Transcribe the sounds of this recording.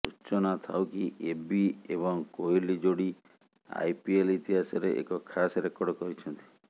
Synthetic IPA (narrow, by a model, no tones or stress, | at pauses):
ut͡ʃɔnat̪ʰa̰wkiʔebiebɔŋkoilid͡ʒoɽi | a̰jpielit̪iɦasɔɾeʔḛkɔkʰasɾekɔɽɔkɔɾit͡ʃʰɔnt̪i̥